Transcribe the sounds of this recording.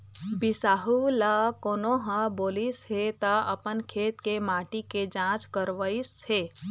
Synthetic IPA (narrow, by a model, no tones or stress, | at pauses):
bɪsaːɦulakoːnoɦə̃boːlishet̪aəpənkʰeːt̪kemaːʈiked͡ʒãːt͡ʃkəɾʋəisheː